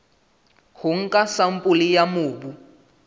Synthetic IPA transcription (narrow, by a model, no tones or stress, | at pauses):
huŋ̩kʼasampʼulijamuːbu